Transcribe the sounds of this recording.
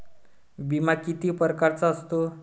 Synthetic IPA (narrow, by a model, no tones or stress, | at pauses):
bimakit̪ipəɾkaɾt͡saːst̪o